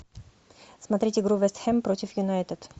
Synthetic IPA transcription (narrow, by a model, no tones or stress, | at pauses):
smɐt̪ɾʲitʲɪɡɾuvɛst̪xɛmpɾotʲɪfjʊnajt̪ət̪